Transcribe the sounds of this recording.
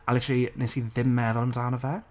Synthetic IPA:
əlɪtʰɾlˠinesiðɪmːɛðɔlˠəmdaːnəvɛ

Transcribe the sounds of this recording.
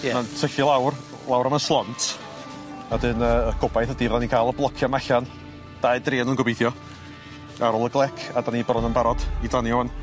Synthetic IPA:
jɛmantʰəɬilˠawr | lˠawɾamanslˠɔntʰ | adɨnəɡʊbajθədiðanikʰaːlˠəblˠɔkʰjamaɬan | d̥aɨdreːnənɡɔbejθjɔ | aɾɔlˠəɡlˠɛkʰadanibrɔnənbaɾɔd̥idanjɔwan

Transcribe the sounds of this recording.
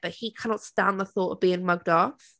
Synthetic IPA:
b̥ʌʔhikʰanɒtstãnðəθɔˑtə̰vbiːɪ̃ŋmʌɡ̚dɔf

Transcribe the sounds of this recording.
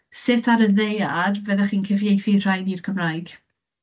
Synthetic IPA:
sɪtʰaɾəðejarvɛðaχiːnkʰɪvjejθir̥ajðirkʰəmrajɡ̥

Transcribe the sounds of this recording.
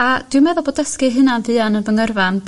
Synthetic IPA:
ad̥ɨmɛðɔboːdəskɨɦɨnanvɨanənvəŋərvan

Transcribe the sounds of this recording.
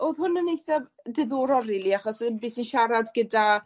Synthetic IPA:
oːðhʊnənejθav | dɪðoːɾɔɾilˠiaχɔsbɨːsinʃaɾadɡəda

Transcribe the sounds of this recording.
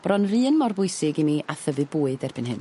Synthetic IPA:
b̥rɔnrɨːnmɔrbʊɨsɪɡimiʔaθəvɨbuːɨdɛrbɨnhɨn

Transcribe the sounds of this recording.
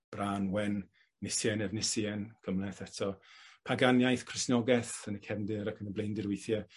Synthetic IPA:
b̥raːnwɛnː | ɪsjɛnɛvnɪsjɛnkʰəmlɛθɛtʰɔpʰaɡanjajθkʰrɪsnɔɡɛθənəkʰɛvndɪɾakʰənəblejndɪɾwejθjɛ

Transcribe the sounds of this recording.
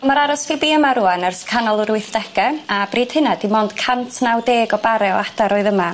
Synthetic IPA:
maɾaɾɔsfɪbiːəmaɾuanarskʰanɔlˠʊɾwɪθd̥ɛɡɛabriːd̥hənadimoːnd̥kʰantʰnawdeːɡɔbaɾɛɔ̰adaɾɔːɨðəma

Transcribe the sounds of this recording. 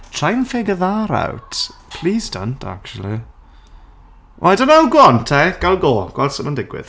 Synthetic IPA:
tʰɹ̥ajnfɪɡəðaɾa̰wtpʰl̥iːzdə̰ntʰa̰k̚t͡ʃulˠḭ | ʔajdənaʊwɡɔntʰejɡ̥alˠɡoːɡ̥wɛlˠd̥səməndɪɡwɪ̰ð̥

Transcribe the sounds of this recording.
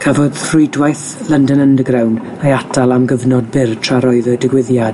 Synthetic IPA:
kʰəvɔd̥rʊjdwajθ | lˠəndənəndəɡrawn | ajatʰalˠamɡəvnɔd̚bɪrtʰraɾɔɨðɔdəɡwɪðjad̥

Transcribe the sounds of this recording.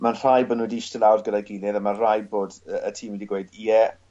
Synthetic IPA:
manr̥ajbənwədiʃtɪlawrdɡədaɡɪlɛðəmar̥ajboːdəətʰiːmwidiɡweɨdiɛ

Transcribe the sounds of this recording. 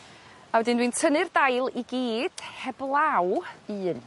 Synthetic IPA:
awɛdɪndwintʰənɨrdajlˠiɡiːd̥hɛblˠawɨːn

